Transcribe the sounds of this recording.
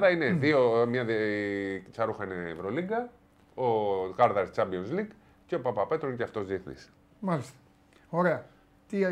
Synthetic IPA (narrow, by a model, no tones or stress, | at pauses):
ðɐineðiomɲɐð | t͡sɐɾuxɐineːvɾoliɡɐ | oɣɐɾðɐɾst͡sɐmbionsliɡ | ce̞opɐpɐpe̞t̪ɾoinceɐft̪o̞zðieθnḭs | mɐlist̪ɐ̥ | oɾeɐ | t̪i